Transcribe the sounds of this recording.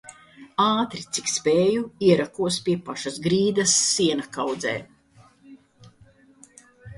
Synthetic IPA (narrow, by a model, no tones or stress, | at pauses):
aːt̪ɾit̪sikspɛːjuiɛɾakuɔspʲiɛpaʃasɡɾiːd̪ɐsːiɛnakawd̪zɛ̰ː